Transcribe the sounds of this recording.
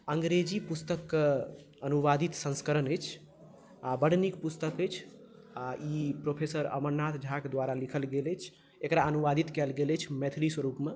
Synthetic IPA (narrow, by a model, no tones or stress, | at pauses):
əŋɡɾed͡ʒipust̪əkːə | ənuʋad̪it̪sə̃nskəɾənəjt͡ʃʰ | abəɽ̤nikpust̪əkət͡ʃʰ | aipɾopʰesəɾə̰məɾnːat̪ʰd͡ʒʱakd̪ʋaɾalikʰəlɡelət͡ʃʰ | ekɾaənuʋad̪it̪kɛlɡelət͡ʃʰmet̪ʰɾiswəɾupme